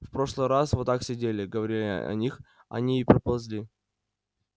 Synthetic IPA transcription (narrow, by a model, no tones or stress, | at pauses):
fpɾo̞ʂlˠɨjɾasvɨt̪aksʲɪdʲelʲɪɡəvɐɾʲilʲɪ̰ɐ̰nʲix | ɐ̰nʲiipɾəpɐlˠzʲlʲi